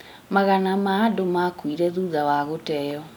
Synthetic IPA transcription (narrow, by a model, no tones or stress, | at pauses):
maɣanamaːdomakwiɾɛðuːðawaɣotɛjɔ